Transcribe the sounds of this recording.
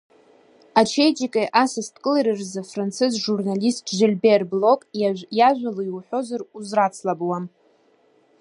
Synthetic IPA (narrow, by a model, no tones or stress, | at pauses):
at͡ʃʰejd͡ʒikʼeʔasastʰʼkʼɨleɾɨrzafrant͡sʰɨzʒurnalistʰʒɪlʲberblo̞kʼjaʒᶣʷalojwħʷo̞zaruzrat͡sʰlabwam